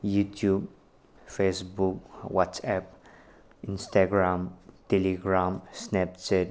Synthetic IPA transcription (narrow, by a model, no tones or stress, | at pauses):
jutʰjub | fesbuk̚wɔtsɛp̚ | ĩnstaɡɹãmtɛliɡɾãmsnɛp̚t͡ʃɛt̚